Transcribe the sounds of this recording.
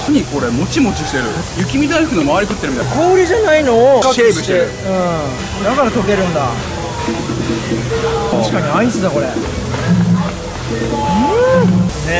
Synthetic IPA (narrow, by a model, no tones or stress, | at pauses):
ɲ̟iko̞ɾe̞mo̞t͡ɕimo̞t͡ɕiɕi̥t̪e̞ɾɯ̟̰ | jɯ̟kʲimʲid̪aiɯkɯnomaaɾʲikɯ̟t̪ːeɾɯ̟mit̪kʰo̞ːɾʲiʑanaino̞ːkaɕeibɯɕi̥t̪eɾɯ | ɯ̃ | d̪akaɾat̪oke̞ɾɯ̟̃nd̪a | t̪aɕi̥kaɲ̟iaisɨd̪ako̞ɾe | ɯ | ne